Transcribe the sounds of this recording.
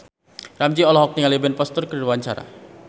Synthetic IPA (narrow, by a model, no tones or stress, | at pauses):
ramd͡ʒiɔlɔɦɔk̚niŋalebɛnpɔst̪ʊrkəduwaɲt͡ʃaɾa̰